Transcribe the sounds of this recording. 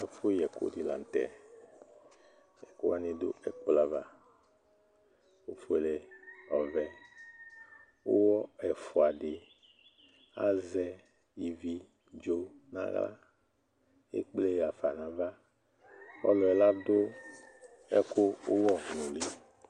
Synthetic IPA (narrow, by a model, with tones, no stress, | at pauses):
ɛ˨fo˦jɛ˨ko̰˦di˨la̰˨n̩˨t̪ɛ̰˨ | jɛ˨ko˦a˦nẽ˦d̪o̰˦ɛ˦k͡po˦la˦va̰˦ | wo˦fo˦e˨le˨ɔ˨vɛ˨ | wo̰˦wɔ˦ɛ˨fo˨a˨ɖɪ˨ | a̰˦zɛ˦ | ji˨vi˦ | d͡ʒo˦nã̰˦ɣla̰˦ | ḛ˦k͡ple˦ja˨fa˨nã˨va˦ | wɔ˦lɔ˨ɛ˨la˦do˦ | ɛ̰˦ko˦wo˦wɔ˦nũ˨li˦